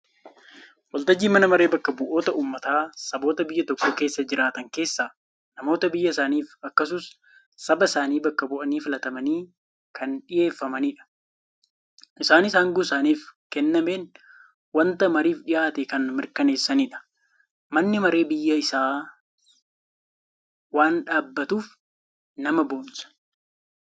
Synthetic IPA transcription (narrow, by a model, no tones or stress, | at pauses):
wɐlt̪ɐd͡ʒːiːmɐnɐmɐɾe̞ːbɐkːɐbʊʔo̞ːt̪ɐʔuːmːɐt̪aːsɐbo̞ːt̪ɐbɪjːɐt̪ɔkːoːke̞ːsːɐd͡ʒɪɾʔaːt̪ɐŋke̞ːsːaː | nɐmo̞ːt̪ɐbɪjːɐɪsaːniːfɐkːɐs̬ʊs | sɐbɐɪsaːniːbɐkːɐbʊʔɐniːfɪlɐt̪ɐmɐniː | kɐnᶑɪje̞ːfːɐmɐniːᶑɐ̥ | ʔɪsaːnɪsaːŋɡʊsaːniːfkɛnːɐme̞ːn | wɐnt̪ɐmɐɾiːfɗɪʔaːt̪ɛkɐnmɪɾkɐne̞ːsːɐniːᶑɐ̥ | mɐnːɪmɐɾe̞ːbɪjːɐɪsaː | waːnᶑaːbːɐt̪uːf | nɐmɐboːnsɐ̥